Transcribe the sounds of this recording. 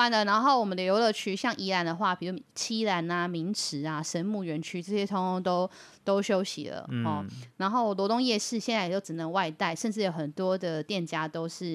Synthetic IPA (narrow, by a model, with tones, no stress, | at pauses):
wa˧˥nlə˨na˧˥nxo˥˩ʊwɔ˨˩mə˦n˨jo˨˧˥ʊlə˨˧t͡ɕʰy˥ɕjɑ˥˩ŋʔi˧˥la˧˥nd̪ə˨xwa˥˩pʰi˨˩u˥˩t͡ɕʰi˥la˧˥na˧mi˧˥ŋʈ͡ʂʰɻ̩˧˥˦a˦ʂə˦˥nmu˥˩ɥɛ˧˦˥nt͡ɕʰy˥ʈ͡ʂɤ˥˩ɕjɛ˥t̪ʰo˥ŋ˥ŋt̪o˥ʊ | t̪o˥ʊɕjo˥ʊɕḭ˨˩lə̰˩ɔ˨˩na˧˥nxo˥˩ʊlwɔ˧˥t̪ʊ˥ŋjɛ˥˧ʂɻ̩˥˩ɕjɛ˥˧nt͡sa˥˩ɪ˨˩jo˥˩ʊʈ͡ʂɻ̩˨˩nə˨˦ŋwa˥˧ɪt̪a˥˩ɪʂə˥˧nʈ͡ʂɻ̩˥˩jo˨˧˥xə˨˩nt̪wɔ˥d̪ə˨t̪jɛ˥˨˩nt͡ɕja˥t̪o˥ʊʂɻ̩˥˩